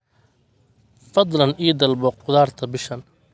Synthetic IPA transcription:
fɑd̪ˤlɐnʔiːd̪ɐlbɔqʊðaːrt̪ʰɐbɪʃɐn

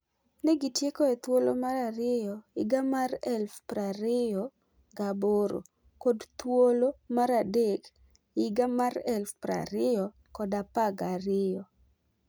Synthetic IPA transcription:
neɡitjekoɛt̪wolomaɾaɾɪjɔɪɡamarɛlfpɾaɾɪjɔ | ɡaboɾo̰ | kodt̪wolomaɾadek | ɪɡamarɛlfpɾa̰ɾɪjɔ | kɔdapaɡaɾɪjɔ

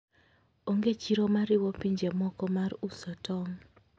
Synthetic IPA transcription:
oŋɡet͡ʃiɾɔmaɾɪwɔpiɲd͡ʒemɔkɔmarusɔtɔŋ

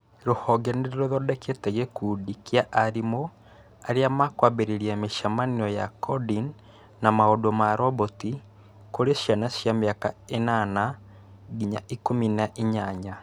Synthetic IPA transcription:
ɾohɔɡɛneɾɾoðɔdɛketɛɣɛkuːdikiaʔaɾimo | aɾeamakwabeɾeɾiameʃamaniɔjakʰɔdin | namaodomaɾɔβoti | koɾeʃjanaʃjameaka̰enana | ɡiɲa̰ʔikominaʔeɲaɲa

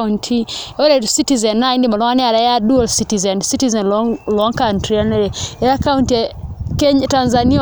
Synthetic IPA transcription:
untʰiɔɾɛsitizɛnːaindimalɔŋanɛaɾajadualsitizɛnsitizɛnlɔlɔŋkantɾianɛɾɛɛɾakawuntiɛkɛɲtanzani

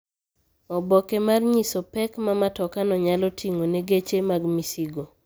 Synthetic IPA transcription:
ɔbɔkemarɲisɔpɛkmamatɔkanɔɲalɔtʰiŋoneɡet͡ʃemaɡmisiɡo

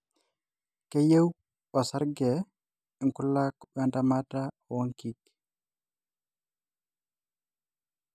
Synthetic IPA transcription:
kɛjew | ɓɔsaɾɡɛ | iŋkulːakɔɓandamata | wɔŋkik

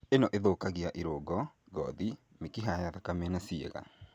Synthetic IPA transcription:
enɔʔeðoːkaɣiaʔiɾoɡɔ | ɡɔði | mekiɦajaðakamɛnasiḛɣa̰

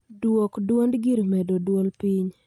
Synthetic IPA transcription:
dwokdwondɡiɾmɛdodwolpiɲ

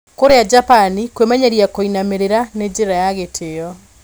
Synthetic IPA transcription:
koɾead͡ʒapanikwemɛɲɛɾiakoinameɾeɾaned͡ʒd͡ʑeɾajaɣetʰejɔ

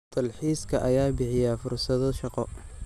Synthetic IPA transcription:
t̪ʰɐlħiːskʰɐʔɐjaːbɪħɪjafʊrsɐðɔʃɑqɔ

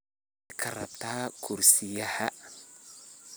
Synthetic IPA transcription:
kʰɐrɐ̰b̚t̪aːkʰuɾsijaha

